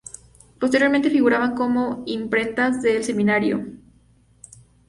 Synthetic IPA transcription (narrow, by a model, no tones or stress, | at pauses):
po̞st̪eɾjo̞ɾment̪e̞fiɣuɾaβaŋko̞mo̞impɾe̞nt̪azðe̞ːlse̞mĩnaɾjo̰